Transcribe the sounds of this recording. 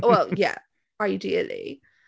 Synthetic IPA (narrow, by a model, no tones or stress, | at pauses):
wɛlˠjæ̰ | aɪdiɨl̩ˠḭ